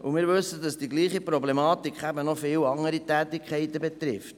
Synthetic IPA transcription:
umɪːɾʋɵsədɑsd̥iɡliːχipɾɔblemɑːt̪ikʰχæbənɔfɪːwɑŋəɾitæːt̪ikχɛɪt̪əbet̪ɾɪft

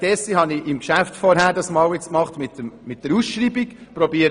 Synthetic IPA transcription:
d̥ɛsihɑniʔɪmkʃæftfɔɾɦæːɾdɑsmɑːwɪt͡skmɑχtmɪt̪əmmɪt̚d̥əɾusʃɾiːbikpɾɔbiːəɾ

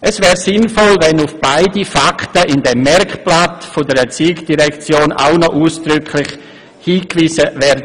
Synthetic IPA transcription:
ʔɛsvɛːɾsɪnfɔlvɛnʊfb̥aɪdifakʰtəʔɪndɛmːɛɾkplatfʊdəɾɛt͡siːkd̥iʁɛkt͡sjoːna̰ʊnɔʔuːsd̥ɾʏkʰlɪχ | hiːkviːzəvɛɾdə

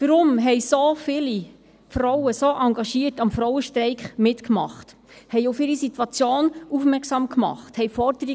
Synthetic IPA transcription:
ʋəɾʊmɦɛjsofɪli | fɾɔwəsoʔɑŋɡɑʃiːətɑmfɾɔwəʃtɾɛɪkχmɪtkmɑ̰χt | hɛjufɪɾisitwɑt͡sjoːnufmɛɾksɑːmkmɑ̰χthɛjfɔɾdəɾi

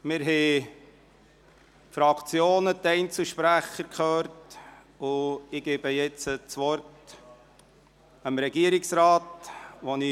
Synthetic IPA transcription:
mɪɾɦɛ | fɾɑkt͡sjoːnət̪ɛɪnt͡suʃpɾæχəɾkχøːɾt | ʊɪɡ̥eːbəjɛt͡sət͡sʋɔɾt | əmɾɛɡiəɾɪksɾɑːtʋoni

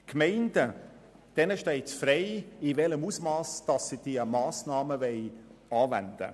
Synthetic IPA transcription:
kʰmɛɪndə | d̥ɛnəʃtɛɪtfrɛɪɪvɛləmusmɑːsd̥ɑsːid̥iəmɑːsnɑːməvɛɪɑːvæ̰nd̥ə̰

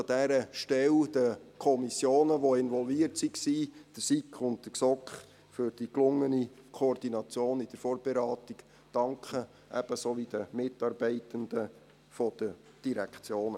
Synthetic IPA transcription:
ɑd̥̪æɾəʃtɛld̥̪əkʰɔmisjoːnəʋoɪnʋɔlviːəɾtsiksiːd̥əsikʰʊnt̚d̥əsɔkχ | fʏɾd̥iklʊŋːənikʰoːrd̥inɑt͡sjoːnɪd̥əɾfoːrb̥eɾɑːt̪ik | d̥ɑŋkʰχə | ʔɛb̥əsoːʋid̥əmɪtːɑːɾb̥ɛɪt̪əndə | fɔd̪̥ə | d̥iɾækʰt͡sjoːnə

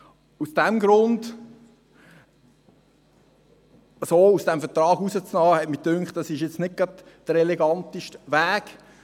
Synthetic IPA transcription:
usd̥ɛmɡɾʊnd | soːusd̥ɛmfətrɑːɡusət͡snɑːhɛtmɪdʏŋkχt̚dɑsɪʃjɛt͡snɪk̚ɡ̥ɾɑdd̪̥əɾɛlɛɡɑnt̪iʃtʋæːk

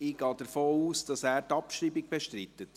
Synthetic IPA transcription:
iːɡ̥ɑːd̥əɾfoːuːsd̥ɑsæːɾtɑpʃɾiːbɪɡ̚b̥eʃtɾitːət

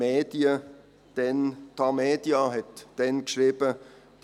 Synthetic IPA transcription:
eːd̥iə | d̥ɛnt̪ɑmeːd̥jɑɦɛtːɛnkʃriːb̥ə | d̥

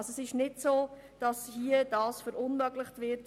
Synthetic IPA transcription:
soɛsɪʃnɪdsoː | d̥ɑshiəd̥ɑːsfəɾʊnmœɡlɪχtvɪɾt

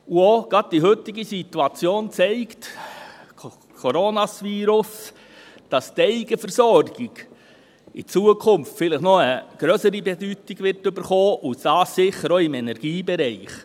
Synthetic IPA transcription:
uoɡ̥ɑd̚d̥iɦʏtɪɡisituɑt͡sjoːnt͡sɛɪktʰ | kʰɔɾonɑsʋiːɾʊs | d̥ɑstɛɪɡ̥əfəɾsɔɾɡ̥ɪɡ̥ | ɪt͡suːəkʰʊmftfɪləχnɔəɡ̥ɾœsəɾibɛdytiɡ̥ʋɪrtʏbəɾχoːʔusd̥ɑːssɪχəɾoɪmɛnɛɾɡ̥iːbɛɾɛɪχ

